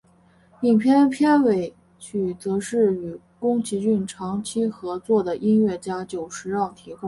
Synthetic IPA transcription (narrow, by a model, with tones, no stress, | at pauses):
pi˨˩ŋpʰjɛ˥npʰjɛ˥˩nwe˧˩ɪ | t͡ɕʰy˨˩t͡sɤ˧˥ʂɻ̩˥˩y˨˩ | kʊ˥ŋt͡ɕʰi˧˥t͡ɕy˥˩nʈ͡ʂʰɑ˧˥ŋt͡ɕʰi˥xɤ˧˥t͡swɔ˥˩d̪ə˩ʔi˥nɥɛ˥˩t͡ɕja˥t͡ɕjo˨˩ʊʂɻ̩˧˥ɻɑ˥˩ŋt̪ʰi˧˥kʊ˥ŋ